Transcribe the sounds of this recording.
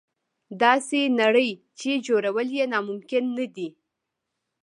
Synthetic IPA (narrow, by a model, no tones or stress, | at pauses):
d̪ɑsenaɽəj | t͡ʃed͡ʒoɾawəljenɑmʊmkɪnːad̪i